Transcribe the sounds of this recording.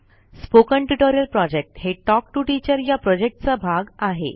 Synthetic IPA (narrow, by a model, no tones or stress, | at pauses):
spokəɳʈuʈoɾijəlpɾɔd͡ʑek̚ʈheʈɔk̚ʈuʈit͡ɕəɾjapɾɔd͡ʑek̚ʈ̚t͡sabʱaɡaɦḛ